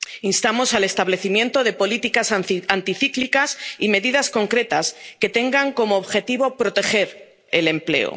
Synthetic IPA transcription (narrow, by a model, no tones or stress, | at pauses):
inst̪amo̞sale̞st̪aβle̞θimje̞nt̪o̞ðe̞po̞lit̪ikasant̪iθiklikasime̞ðiðasko̞ŋkɾe̞t̪aske̞t̪e̞ŋɡaŋko̞mo̞ːβxe̞t̪iβo̞pɾo̞t̪e̞xe̞ɾ | e̞le̞mple̞̰o̰